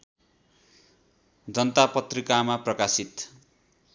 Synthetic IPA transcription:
d͡zʌnʌt̪apʌt̪rikamaprʌkasit̪

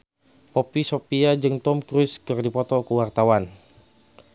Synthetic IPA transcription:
pɔpisopiad͡ʒɨŋt̪ɔmkɾʊskərdipɔt̪ɔkəwart̪awan

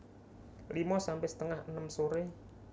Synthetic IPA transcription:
limɔsampɛhsə̥t̪əŋahənəmsoɾe

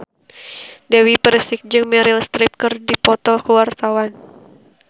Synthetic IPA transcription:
dawipəɾəsik̚d͡ʒɨŋmɛɾilst̪ɾip̚kərdipɔt̪ɔkəwart̪awan

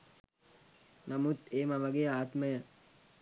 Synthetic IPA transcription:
namut̪eːmaʋaɡeːəaːt̪məjə

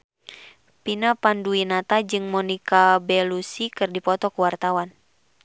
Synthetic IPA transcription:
pinapanduinat̪ad͡ʒɨŋmɔnikabɛlusikɨrdipɔt̪ɔkuwart̪awan

